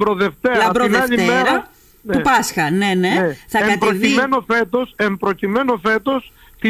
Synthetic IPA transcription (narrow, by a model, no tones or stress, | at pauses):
bɾoðeft̪eɐɐɾonɐʎimeɾɐ | neupɐsxɐneneeθɐeɐɾoime̞no̞fe̞t̪o̞sempɾo̞cime̞no̞fe̞t̪o̞s | t̪i